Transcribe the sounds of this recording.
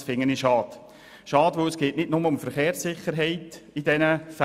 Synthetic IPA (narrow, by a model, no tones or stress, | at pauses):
fɪŋːəniʃɑːd̪ | ʃɑːdʋosɡ̥eːʔnɪdnʊməʊmfəɾχeːɾrsːɪχəɾɦɛɪtid̥ɛnəf